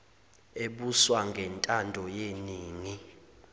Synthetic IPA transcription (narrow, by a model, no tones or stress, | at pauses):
eɓuswaŋɡʱɛntʼandʱɔjeniːŋi